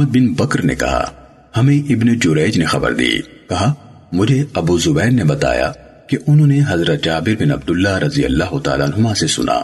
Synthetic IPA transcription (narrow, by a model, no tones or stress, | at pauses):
əd̪̚bɪnbɐkɾnḛkɐ̰ɦa̰ | hɐmẽʔɪbned͡ʒʊɾɛːd͡ʒnexɐ̰bə̰ɾd̪ḭkɐɦa | mʊd͡ʒʱeɐbuzʊbɛːɾnebɐt̪a̰ːja̰ | keʔʊnɦõːneɦɐzɾət̪̚d͡ʒaːbɪɾbɪnɐb̚d̪ʊlːaɾɐzijə̰lːaːɦʊt̪a̰ːlaːnɦʊmãsesʊ̰nʔa̰ː